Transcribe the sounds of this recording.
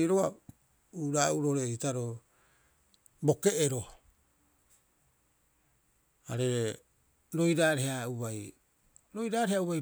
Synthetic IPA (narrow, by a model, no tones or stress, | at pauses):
iɾoβa | uɾauɾoɾeitaɾo | bo̞ke̞ːɾo̞ | aɾe̞ | ɾo̞jɾaːɾeɦhauβaj | ɾo̞jɾaːɾeauβaj